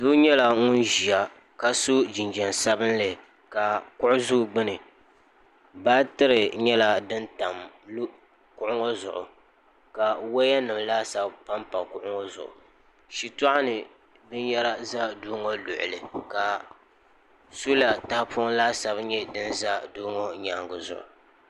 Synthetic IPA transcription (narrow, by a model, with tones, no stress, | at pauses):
du˦ɲɛ˦la˨ŋʊ˦nʒi˨a˨ | ka˨so˦d͡ʒi˨nd͡ʒɛ˨nsa˦bɨ˦nlɨ˨ | ka˨kʊ˦ʔʊ˦zu˦˨ɡ͡bɨ˦nɨ˨ | baː˦tɨ˦ɾɨ˨ɲɛ˦la˦dɨ˦nta˨m | l | kʊ˦ʔʊ˦ŋo˦zʊ̰˨ʔʊ̰˨ | ka˨wa˦ja˦nɨ˨mlaː˦sa˦bpa˦mpa˨kʊ˦ʔʊ˦ŋɔ˦zʊ̰˨ʔʊ̰˨ | ʃi˨tɔ˦ʔa˦nɨ˨ | bɨ˦ɲjɛ˦la˦za˦doː˦ŋo˦lʊ˨ʔʊ̰˨lɨ˨ka˨ | su˦la˨taː˦pʰʊ˦ŋ˦laː˦sa˨bɲɛ˦dɨ˦nza˦doː˦ŋo˦ɲa˨ŋɡʊ˨zʊ̰˨ʔʊ̰˨